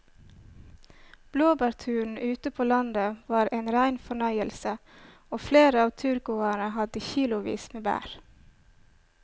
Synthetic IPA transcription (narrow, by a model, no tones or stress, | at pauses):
b̥loːbɑɾt̪ʰʉːɳ̩ʉːt̪əpʰoːlɑnd̪əʋɑːɾʔeːnɾæɪnfɔɳœʏəlsə | oːfleːɾəɑːʋt̪ʰʉɾkʊːæɳəhɑd̪əçiːlʊʋḭːsmeːbæ̰ːɾ